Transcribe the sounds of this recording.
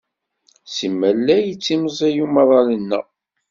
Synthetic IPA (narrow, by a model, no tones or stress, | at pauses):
simːælːæjət͡sːiməzˤæjuməðˤɑlənːə̰